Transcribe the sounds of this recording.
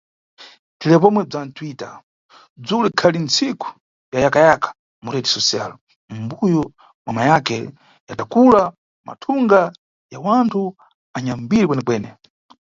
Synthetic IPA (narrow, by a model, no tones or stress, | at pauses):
dilɛp̬ɔmwɛb͡ʐantʰwita̰ | b͡ʐulikʰalint͡sʰiku̥ | jajakajakʰḁ | muɾɛdisɔsia̰l | m̩bujɔ | mwamajakɛ | jatakula | ma̰tʰuŋɡa | jawantʰu | aɲambiɾik̬wɛnɛkwɛːnɛ